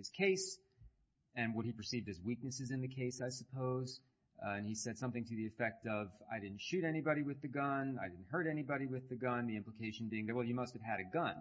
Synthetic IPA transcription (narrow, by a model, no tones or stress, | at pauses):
ɨz̥kʰeɪs | ɨ̃nwʌt̚hipə˞sivdɨzwik̚nɨsɨzɨ̃nðɨkʰeɪsaɪsəpʰoʊz | ɨ̃nisɛd̥sʌ̃mθɪ̃ŋtʰɨðiɨfɛk̚tʌva̰ɪɾɪdⁿn̩tʃʉɾɛñibɑɾiwɨðɨɡʌ̃naɪdɪdⁿn̩t̚hɜ˞ɾɛnibɑɾiwɨðɨɡʌ̃nðiɪ̃mpləkʰeɪʃɨ̃n̩biɪ̃ŋðɨt̚wɛlˠjɨmʌstɨv̥ɨɾɨɡʌ̃n